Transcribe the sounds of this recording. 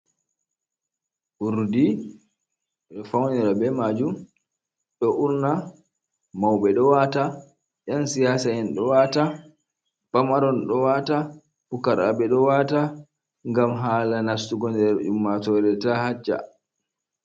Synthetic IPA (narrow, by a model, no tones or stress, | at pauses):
ʔuɾdi | ɗɔfawnɛɾabɛmad͡ʒum | ɗɔʔuɾna | mawɓɛɗɔwata | ʔansijaːsaɛnɗɔwaːta | b̥amaɾɔnɗɔwata | pukaɾa̰bɛɗɔwata | ŋɡamɦaːlanastuɡɔndɛɾʔṵmːatɔɾɛtahat͡ʃːa̰